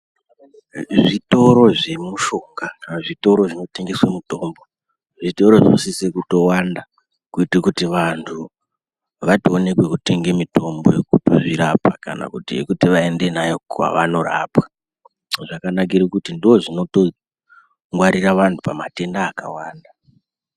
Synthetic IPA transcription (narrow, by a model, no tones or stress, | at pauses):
ʐito̞ɾo̞ʐe̞muʃo̞ŋɡaʐito̞ɾo̞ʐino̞te̞ŋɡe̞swemuto̞ːmbo̞ | ʐito̞ɾo̞ʐo̰sisekutowanda | kuitekutiʋantʰu | ʋatoone̞kwe̞kute̞ŋɡemito̞mbo̞jekutoʐiɾapa̰ka̰na̰kutiḛkutiʋae̞nde̞najokwa̰ʋa̰no̞ra̰pwḁ | ʐakanak̬iɾikutindio̞ʐino̞to̞ | ŋɡwaɾiraʋantʰupamate̞ndaːka̰waːnda